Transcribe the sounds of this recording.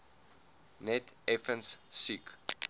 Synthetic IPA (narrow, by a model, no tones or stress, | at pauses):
nɛtɛfə̃nssik